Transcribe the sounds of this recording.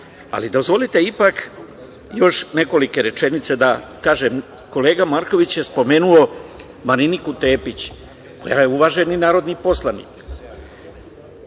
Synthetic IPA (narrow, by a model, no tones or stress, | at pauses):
a̰lid̪o̞zʋo̞lit̪e̞ipak | jo̞ʃne̞ko̞like̞ɾe̞t͡ʃe̞nit̪se̞d̪akaːʒe̞m | ko̞le̞ːɡamaɾko̞ʋit͡ɕjespo̞me̞ːnuo̞ | maɾinikut̪e̞ːpit͡ɕ | ko̞̰jaje̞uʋaːʒe̞ninaːɾo̞d̪nipo̞slˠanḭk